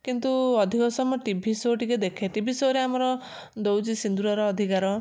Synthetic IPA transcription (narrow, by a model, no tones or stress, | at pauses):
kint̪uɔd̪ʱikɔsɔmɔʈibʱisoʈiked̪ekʰeʈibʱisoɾeamɔɾɔ | d̪owd͡ʒisind̪uɾɔɾɔːd̪ʱikaɾɔ